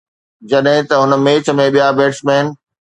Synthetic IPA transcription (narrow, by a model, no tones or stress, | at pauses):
d͡ʑɐɗɦɪ̃t̪ɐɦʊnə̆meːt͡ɕʰə̆mẽɓijabeːʈsmeːn̆